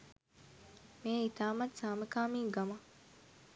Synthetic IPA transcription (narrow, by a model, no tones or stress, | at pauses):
meːit̪aːmɐt̪saːməkaːmiːɡɐmɐ